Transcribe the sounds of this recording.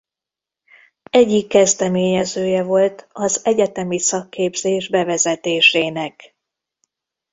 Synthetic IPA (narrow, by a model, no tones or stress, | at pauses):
ɛɟːikːɛzd̪ɛmeːɲɛzøːjɛvo̞lt̪ɒzɛɟɛt̪ɛmisɒkːeːbzeːʒbɛvɛzɛt̪eːʃeːnɛk